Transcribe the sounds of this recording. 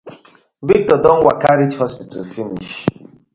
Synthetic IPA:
vik̚tɔdɔ̃n̩wa̰kaɾid͡ʒhɔspita̰lfinḭʃ

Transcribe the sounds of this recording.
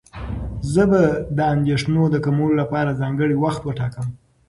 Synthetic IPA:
zəbad̪əand̪eʂnod̪əkamulolapɑɾazɑŋɡəɽiwaxt̪wəʈɑkəm

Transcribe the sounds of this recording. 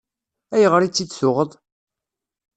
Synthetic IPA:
æjəʁɾit͡sːid̪sʊʁəðˤ

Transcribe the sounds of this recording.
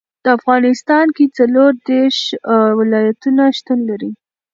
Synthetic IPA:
d̪̥əafɣɑnɪst̪ɑnket͡saloɾd̪eɾʃwɪlɑjat̪unaʃt̪ənlaɾi

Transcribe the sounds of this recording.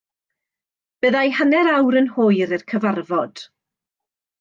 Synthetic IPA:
b̥əðajhənɛɾawɾənhoːjɾərkʰəvarvɔd̥

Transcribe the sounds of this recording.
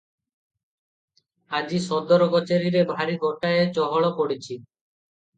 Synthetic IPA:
ad͡ʑisɔd̪ɔɾɔkɔt͡ʃeɾiɾebʱaɾiɡʱɔʈaet͡ʃɔɦɔɭɔpoɽit͡ʃʰi

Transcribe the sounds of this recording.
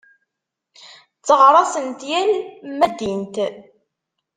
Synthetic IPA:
t͡sːəʁɾˤɑsənt̪jælmæd̪int̪

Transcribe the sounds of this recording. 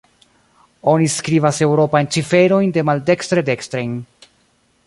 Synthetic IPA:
o̞niskɾivase̞wɾo̞pajnt͡ʃife̞ɾo̞jnde̞malde̞kstɾede̞kstɾejn

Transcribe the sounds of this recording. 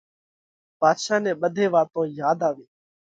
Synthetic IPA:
paːd̪ʃaːnɛ̃ːɓəd̪ʱeːʋaːt̪õːjaːd̪aːʋiː

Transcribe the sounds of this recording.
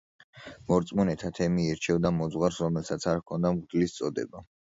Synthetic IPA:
mɔɾt̪sʼmɔnɛt̪ʰat̪ʰɛmiɛɾt͡ʃʰɛvd̪amɔd̪zʁwaɾsɾɔmɛlˠsat̪sʰaɾkʰɔnd̪amʁd̪list̪sʼɔd̪ɛ̰ba

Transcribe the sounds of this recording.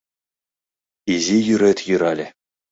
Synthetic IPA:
izʲijyɾʲɘt̪ʲjɯɾɑlʲɘ̆

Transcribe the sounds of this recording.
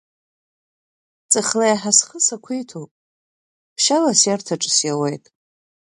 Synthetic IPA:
t͡sʼɨχlajaħasχəsakʷʰijtʰopʼ | pʰʃalasjartʰaʈ͡ʂʼɨsjawejtʼ

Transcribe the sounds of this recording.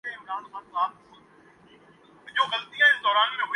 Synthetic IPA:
eɪmɾaːnxãːnzaː | ɲõːɣɐlt̪iãːɦɪnd̪ɔːɾaːnbẽb

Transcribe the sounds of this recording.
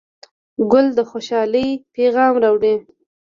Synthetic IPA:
ɡʊld̪əxoʃɑləjpeɣɑmɾawɽe

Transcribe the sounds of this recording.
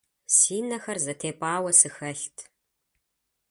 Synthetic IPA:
siːnɐxɐrzɐtʰeːpʷʼaːwɐsɨxɐɬtʰ

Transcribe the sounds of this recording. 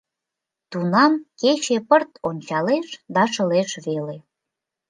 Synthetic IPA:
t̪unɑmket͡ɕepərt̪onʲt͡ɕɑleʃd̪ɑʃə̆leʃβele

